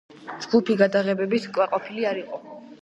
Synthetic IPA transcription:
d͡ʒɡupʰiɡad̪aʁɛbɛbit̪kʼwaqʼɔpʰiliaɾiqʼɔ

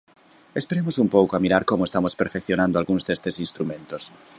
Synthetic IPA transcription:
espeɾemosumpowkoamiɾaɾkomoest̪amospeɾfekθjonãnd̪oalɣũnzd̪est̪esinst̪ɾumẽnt̪os

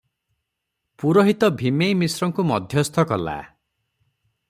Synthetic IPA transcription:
puɾɔɦit̪ɔbʱimejmisɾɔŋkumɔd̪ʱjɔst̪ʰɔkɔla̰

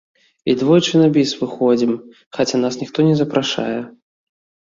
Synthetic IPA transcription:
id̪vɔjt͡ʂɨnabʲisvɨxɔd͡zʲim | xat͡sʲanasnʲixt̪ɔnʲɛzɐpɾaʂa̰jɛ

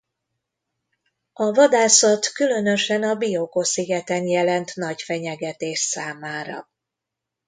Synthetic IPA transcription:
ɒvɒd̪aːsɒt̪kylø̞nøʃɛnɒbijokosiɡɛt̪ɛnjɛlɛnt̪nɒɟfɛɲɛɡɛt̪eːʃsaːmaːɾɒ̰

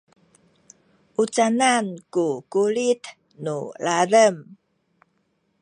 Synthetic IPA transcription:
ʔut͡sanankukuɭit | nuɭaɾəm

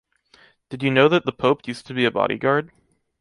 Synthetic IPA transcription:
d̥ɨdjɨnoʊðɨt̪̚ðəpʰoʊpʰjʉstʰɨbiɨbɑ̰ɾḭɡɑɹd̥̚

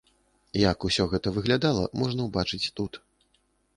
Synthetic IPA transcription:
jɐkusʲɔɣɛt̪ɐvɨɣlʲad̪alˠɐ̰mɔʐn̪ɐwbat͡ʂɨt͡sʲt̪ut̪

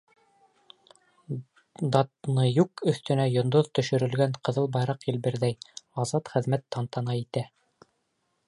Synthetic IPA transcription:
d̪ɑt̪nɤjukɵ̆θt̪ɵ̆næjŏnd̪oðt̪ɵ̆ʃɵ̆ɾɘ̆lɡæɴqɤ̆ðɤlˠbɑjɾɑqjɘ̆lbɘ̆ɾðæjɑzɑt̪χɘ̆ðmæt̪ʰːɑnt̪ɑnɑit̪æ

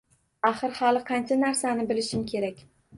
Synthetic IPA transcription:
aχɨɾχɑlˠɪqʰɑnt͡ʃʰanaɾsanɪbɪlɪʃɪmkʲʰe̞ɾakʲ

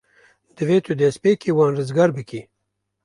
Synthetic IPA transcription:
d̪̥əweːt̪ʰud̪espekiwɑːnɾəzɡaɾbiki

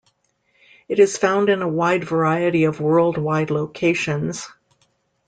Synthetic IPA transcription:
ɨɾɨz̥fãʊ̃ndɨ̃nəwaɪdvə˞aɪɨɾiʌvwɜ˞lˠd̚waɪdˡloʊkʰeɪʃɨ̃nz̥

